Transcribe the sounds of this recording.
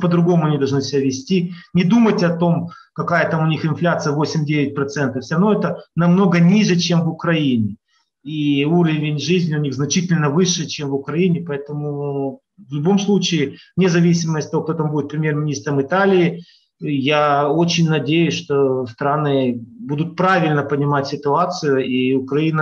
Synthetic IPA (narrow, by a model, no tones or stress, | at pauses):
pəd̪ɾʊɡo̞mʊɐnʲid̪ɐlˠʐnɨsʲɪbʲæavʲɪsʲtʲinʲɪd̪umətʲɐt̪o̞m | kɐkajət̪amʊnʲixɨnflʲat̪sɨjəvo̞sʲɪmʲdʲeʋʲɪt̚ʲpɾɐt̪sɛnt̪əfsʲʊɾɐvnoɛt̪ənɐmno̞ɡənʲiʐɨt͡ɕe̞mvʊkɾɐinʲɪ | iuɾəvʲɪnʲʐɨzʲnʲɪʊnʲiɣznɐt͡ɕitʲɪlʲnəvɨʂɨt͡ɕemvʊkɾɐinʲɪpɐɛt̪əmʊ | vlʲʊbo̞mslˠut͡ɕɪɪ | nʲɪzɐvʲisʲɪməsʲtʲt̪ɐvo̞k̚t̪ot̪ambudɪt̪̚pɾʲɪmʲjermʲɪnʲist̪ɾəmɨt̪alʲɪɪ | jaot͡ɕɪnʲnɐdʲejʊsʲʂt̪o̞st̪ɾanɨbud̪ʊt̪̚pɾavʲɪlʲnəpənʲɪmatʲsʲɪt̪ʊat̪sɨjʊiʊkɾɐinə